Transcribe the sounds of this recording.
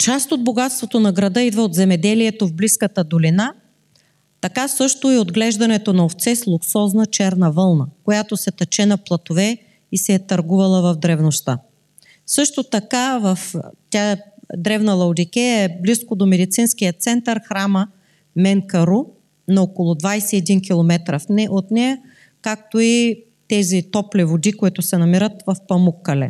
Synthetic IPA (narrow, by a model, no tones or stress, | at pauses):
t͡ʃast̪od̪̚boɡat̪st̪vot̪onɐɡɾɐd̪ɤid̪vəod̪zɛmɛd̪ɛliɛt̪ovbliskət̪əd̪olina | t̪ɐkasɤʃt̪oiod̪ɡlɛʒd̪ɐnɛt̪onɐoft̪sɛslˠuksɔznɐt͡ʃɛɾnɐvɤlˠnəkojat̪osɛt̪ɐt͡ʃɛnɐplˠɐt̪ovɛ | isɛt̪ɐɾɡuvɐlˠəvɐvd̪ɾɛvnost̪a | sɤʃt̪ot̪ɐkavɐft̪ʲad̪ɾɛvnɐlˠɐwd̪ikʲɛɛbliskod̪omɛd̪it̪sinskijət̪sɛnt̪əɾxɾamə | mɛŋkɐɾu | nɐokolˠʊd̪vajsɛːd̪ink̬ʲilˠomɛt̪ɾəfnɛot̪nɛɐ | kak̚t̪oi | t̪ɛzit̪ɔplivod̪ikoit̪ʊsɛnɐmiɾət̪vɐfpɐmukːɐlɛ̰